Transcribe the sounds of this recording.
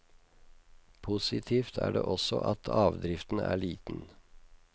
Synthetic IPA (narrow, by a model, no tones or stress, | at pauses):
pʰʊsɪt̪ʰiːft̪ʰæːɖḛːʔɔsɔʔɑt̪ʰɑːʋd̪ɾɪft̪n̩æːɭiːt̪n̩